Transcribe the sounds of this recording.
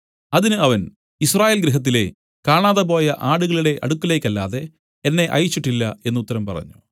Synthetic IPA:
ɐðinɨɐʋɐn | israːjeːlɡɾiɦɐt̪̬ːile̞̰ | kaːɳaːðɐp̬o̞ːjɐʔaːɽuɣɐɭiɽe̞ʔɐ̰ɽukːɐle̞ːkːɐlːa̰ːðe̞ː | nːe̞ʔɐ̰jit͡ɕːiʈːilːɐ̰e̞nːut̪ːɐɾɐmpɐrɐ̰ɲːu̥

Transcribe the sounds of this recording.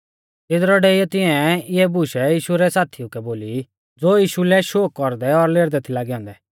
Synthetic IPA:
t̪ɪd̪ɾɔɖeːɪjɔt̪ɪ̃ɛ̃ɪɛbʊʃɛjiːʃuɾɛsaːt̪ʰiukɛboːli | d͡zoːjiːʃulɛʃoːkːɔɾd̪ɛɔɾleːɾd̪ɛt̪ʰilaːɡiɦɔ̃ːnd̪ɛ

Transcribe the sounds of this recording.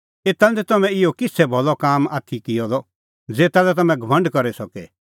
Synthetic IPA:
eːt̪and̪ɛt̪ɐmɛ̃ɪjɔkɪsʰɛbʱɔlɔkaːmaːt̪ʰikɪjɔd̪ɔ | d͡zeːt̪alɛt̪ɐmɛ̃ɡʱɐʋɐ̃ɳɖkɐɾɛsɔkɛ

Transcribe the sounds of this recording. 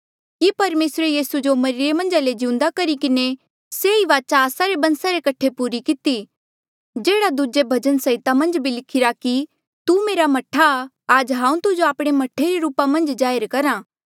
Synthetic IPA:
kipɐɾmeːsɾejiːsud͡ʒomɐɾiɾemɐ̃nd͡ʒaled͡ʒɪ̃ʊ̃nd̪akɐɾikɪne | seiʋaːt͡ʃaːsaɾebɐ̃nsaɾekɐʈʰepuːɾikɪt̪i | d͡ʒeːɽad̪uːd͡ʒebʱɐd͡ʒənsɐɪt̪amɐ̃nd͡ʒbʱilɪkʰɪɾaki | t̪umeːɾamɐʈʰːa | aːd͡ʒɦãːũt̪ʊd͡ʒoaːpɽ̃emɐʈʰːeɾeɾuːpamɐ̃nd͡ʒd͡ʒaːjəɾkɐɾãː

